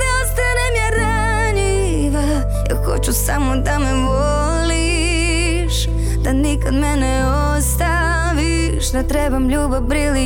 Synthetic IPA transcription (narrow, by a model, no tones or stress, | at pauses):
naost̪anɛmjaɾa | ɲi | ʋa | ja̰xo̰t͡ɕusamod̪amɛv | o | li | ʃ | d̪anikad̪mɛnɛ | ost̪a | ʋi | ʃd̪at̪ɾɛbamʎuːbabɾili